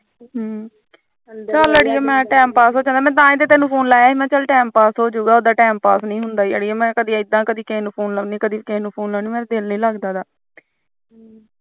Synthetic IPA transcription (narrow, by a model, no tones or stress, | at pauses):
ɦ | t͡ʃələɽiːɛːmɛ̃ːʈɛːmpaːsɦoːd͡ʒãːnaːmɛ̃ːt̪̬ãːɪd̪eːt̪ɛ̃ːnũːpʰoːnlaːjaːiːmɛ̃ːt͡ʃəlʈɛːmpaːsɦoːd͡ʒuːɡaːoːd̪aːʈɛːmpaːsnĩːɦʊnd̪aːiːəɽiːɛːmɛ̃ːkəd̪iːɪd̪ːãːkəd̪iːkẽːnũːpʰoːnləniːkəd̪iːkeːnũːpʰoːnlɛːniːmɛ̃ːɾed̪ɪlnəĩːləɡd̪aːd̪aː